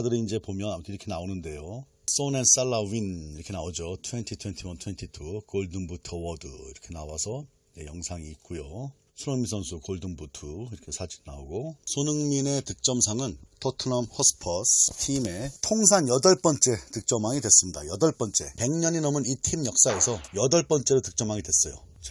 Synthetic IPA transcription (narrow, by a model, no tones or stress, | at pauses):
dɯɾiind͡ʑe̞pomjʌnamtʰiɾʌkʰe̞naonɯnde̞jo | s͈onens͈aɭːawiniɾʌkʰe̞naod͡ʑotʰwentʰitʰwe̞ntʰiwʌntʰwe̞ntʰitʰukoɭdɯnbutʰʌwʌdɯiɾʌkʰe̞nawasʰʌ | d͡ʑejʌŋsʰaŋiːt̚k͈ujo | sʰuɾoŋmis̬ʰʌnsʰukoɭdɯnbutʰuiɾʌkʰe̞sʰad͡ʑinnaoɡosʰonɯŋmine̞tɯk̚t͡ɕ͈ʌmsʰaŋɯntʰotʰɯnʌmhʌsɯ̥pʰʌstʰime̞tʰoŋs̬ʰanjʌdʌɭp͈ʌnt͡ɕ͈e̞tɯk̚t͡ɕ͈ʌmaŋidwe̞s͈ɯmɲidajʌdʌɭp͈ʌnt͡ɕ͈e̞̰pe̞ŋɲʌɲinʌmɯnitʰimjʌk̚s͈ae̞sʰʌjʌdʌɭp͈ʌnt͡ɕ͈e̞ɾotɯk̚t͡ɕ͈ʌmaŋidwes͈ʌjo | t͡ɕ